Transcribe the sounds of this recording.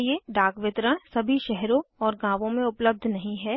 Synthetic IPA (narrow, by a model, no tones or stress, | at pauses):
jeɖaːkʋɪt̪ɾə̃sɐbʱiʃɛɦɾõɔːɾɡãːʋõmẽʊpləb̚d̪ʱnɐɦĩɦɛː